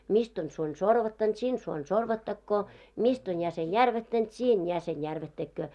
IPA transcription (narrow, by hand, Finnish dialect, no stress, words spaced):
mist on suonʲ sorʋɑtːɑnt sin suonʲ sorʋɑtːɑkːoː mist on jæsen jærʋætːænt siːn jæsen jærʋætːækːøː